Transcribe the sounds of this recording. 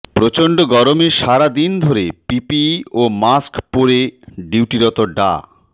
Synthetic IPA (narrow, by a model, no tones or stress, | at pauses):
pɾot͡ɕoɳɖoɡɔɾomeʃaɾad̪ind̪ʱoɾepipiomaskpoɾeɖiwʈiɾɔt̪oɖa̰